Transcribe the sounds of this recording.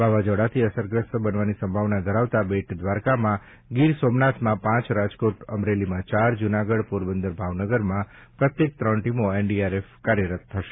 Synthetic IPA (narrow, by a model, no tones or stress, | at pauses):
baʋad͡ʒɔɽat̪ʰiəsəɾɡɾəsbənʋanisəmbʱaʋnad̪ʱəɾaʋt̪abeʈd̪ʋaɾkamã | ɡiɾsomnat̪mãpãt͡ʃɾad͡ʒkoʈəmɾelimãt͡ʃaɾd͡ʒunaɡəɽpuɾbənd̪əɾbʱaʋnəɡəɾmã | pɾət̪jek̚t̪ɾəɳʈimoeɳɖiaɾefkaɾjəɾət̪ʰːəʃe